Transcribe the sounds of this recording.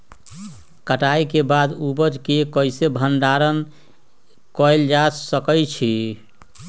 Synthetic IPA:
kəʈajkebad̪ubəd͡ʒkekəjsebʱənɖaɾən | kɔjld͡ʒasəkəjt͡ʃʰi

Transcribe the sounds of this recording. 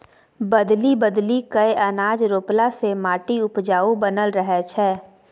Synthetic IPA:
bɐd̪libəd̪likəeʔənaːd͡ʒɾoːplasemaːʈiʊpd͡ʒaːubənəlɾəɦɛt͡ʃʰɛː

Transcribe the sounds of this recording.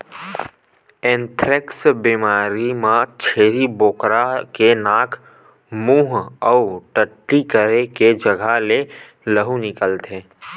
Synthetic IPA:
ɛ̃ːnt̪ʰɾɪksbimaːɾimãt͡ʃʰeːɾiboːkɾakenaːkʰ | mũːɦɔʊʈəʈːikəɾeked͡ʒəɡʱale | ləɦunɪkəlt̪ẽː

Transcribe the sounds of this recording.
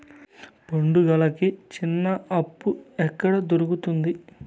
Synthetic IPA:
pɐɳɖuɡɐlɐkit͡ʃinːɐɐpːuɛkːɐɽɐd̪oɾukut̪und̪i

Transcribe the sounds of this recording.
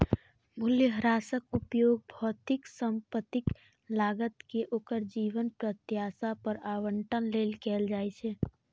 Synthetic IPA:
mʊljəɦəɾaːsəkʊpjoːɡ̚bʱɔːt̪ɪksə̃mpət̪ɪk | laːɡət̪keʔoːkəɾd͡ʒiːʋənpɾət̪jaːsapəɾaːwəɳʈʰənleːlkɛːld͡ʒaːet͡ʃʰeː

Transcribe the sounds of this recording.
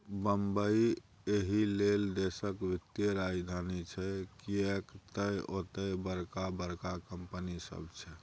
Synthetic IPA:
bəmbəi | eɦileld̪esəkbʱit̪jəɾad͡ʒd̪ʱanit͡ʃʰɛkiekt̪əjot̪əjbəɾkabəɾkakəmpənisə̰bt͡ʃʰɛ

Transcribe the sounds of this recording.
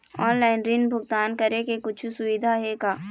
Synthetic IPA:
ɔːnlaːɪnɾiːnbʱʊɡt̪aːnkɐɾekekʊt͡ʃʰsʊʋɪd̪ʱaɦɛɡaː

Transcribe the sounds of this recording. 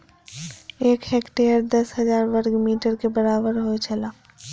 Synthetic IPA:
eːkheːkʈejəɾd̪ɐsɦɐzaːɾʋəɾɡmiːʈəɾkebɐɾaːbəɾɦoet͡ʃɐlaː

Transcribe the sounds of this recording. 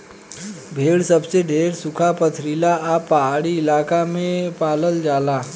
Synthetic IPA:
bʱeɭsəbseɖʱeɾsukʰapət̪ʰɾilaːpaɽiːlakamepaləld͡zala

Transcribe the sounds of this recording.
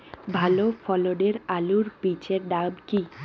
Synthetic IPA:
bʱalofʰɔloɖeɾaluɾpit͡ɕeɾɖabki

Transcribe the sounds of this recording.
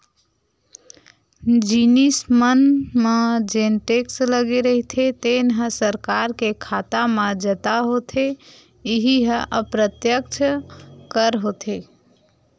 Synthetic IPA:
d͡ʒinismənmed͡ʒenʈeksləɡeɾəɦit̪ʰet̪enɦə̃səɾkaɾkekʰat̪amed͡ʒət̪aɦot̪ʰe | iɦiɦə̃ʔəpɾət̪jək̚t͡ʃʰkəɾɦot̪ʰe

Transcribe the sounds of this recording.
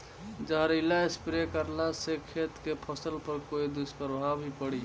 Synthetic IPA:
d͡ʒəɦɾilaespɾekəɾlasekʰːeːt̪kepʰəsəlpəɾkoːid̪ʊspəɾbʱabʱipəɽi

